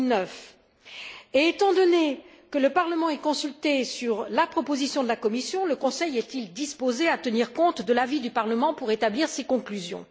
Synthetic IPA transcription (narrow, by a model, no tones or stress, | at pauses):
nœf | eːt̪ɑ̃d̪ɔne | kələpaʁləmɑ̃ɛkɔ̃sylt̪esyʁlapχɔpozisjɔ̃d̪əlakɔmisjɔ̃ləkɔ̃sɛjɛt̪ild̪ispozeat̪əniʁkɔ̃t̪d̪əlavid̪ypaʁləmɑ̃puʁet̪abliʁsekɔ̃klyzjɔ̰̃